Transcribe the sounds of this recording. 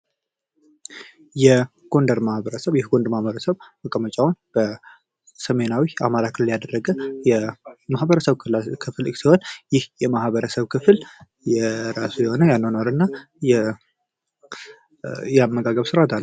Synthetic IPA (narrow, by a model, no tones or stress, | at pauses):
jɛ | ɡ̥o̞nd̪əɾmahbəɾəsəβjɛhɡo̞nd̪mahbəɾəsəβməkʼəmət͡ʃʼawunb̥ə | səme̞nawiamaɾakʰɨlljad̪ərːəɡəjɛmahbəɾəsəβɨakʰɨfɨlɨksiho̞njɪhjɛmahβəɾəsəβkʰɨfl | jɛɾasujɛho̞nəjanːonoɾɨnːa | jɛ | jɛamːəɡaɡəβsɨɾat̪ʰal